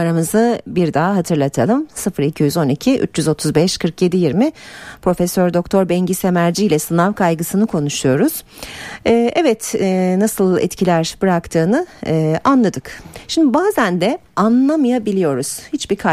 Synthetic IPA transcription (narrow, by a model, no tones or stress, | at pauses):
aɾamɯzɯbiɾd̪aːɦat̪ʰɯɾlˠat̪ʰalˠɯmsɯfɯɾicʰijyzo̞nicʰiʔy̰t͡ʃjyzo̞t̪ʰuzbɛʃkʰɯɾkje̞d̪ijiɾmipɾo̞fɛsøɾd̪o̞kt̪ʰo̞ɾbɛɲɟisemæɾd͡ʒiilʲɛsɯnavkʰajɡɯsɯnɯkʰo̞nuʃujo̞ɾuz̥ | ɛːʔɛvɛt̪ːnasɯlˠɛ̰t̪cʰilʲæɾb̥ɯɾakt̪ʰɯːnɯːanlˠad̪ɯkʃimd̪ibaːzænd̪ɛanlˠamajabilʲijo̞ɾuz̥hit͡ʃbikʰa